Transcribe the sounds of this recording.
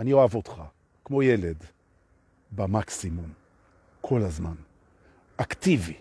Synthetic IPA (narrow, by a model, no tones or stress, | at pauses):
anio̞avo̞tχa | kmo̞jeled | bamaksimum | kʰo̞lazman | ʔaktivi